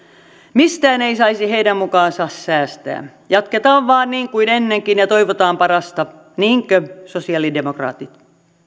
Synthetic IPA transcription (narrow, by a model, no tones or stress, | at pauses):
mist̪æːneisɑisiheidæmmukɑːnsɑsːæːst̪æ̰ː | jɑt̪ket̪ɑːʋʋɑːnniːŋkuinenːeŋkinjɑt̪o̞iʋot̪ɑːmpɑɾɑst̪ɑ | niːŋkøsosiɑlidemokrɑ̰ːt̪it̪